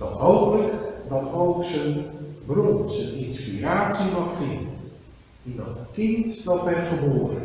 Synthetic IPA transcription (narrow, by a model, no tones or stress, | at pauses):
d̥ɔtɦowpələkdɔtowksənbruntsəninspiraːsimɑxfɪndən | indɔ̰tkɪntdɔtʋɛrtχəboːərɾə̰n